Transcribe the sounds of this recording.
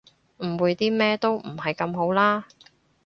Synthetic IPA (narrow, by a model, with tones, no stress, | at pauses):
m̩˨˩wuː˨˧jt̪iː˥mɛː˥t̪o˥wm̩˨˩hɐ˨jkɐ˧mɦo˨˥wlaː˥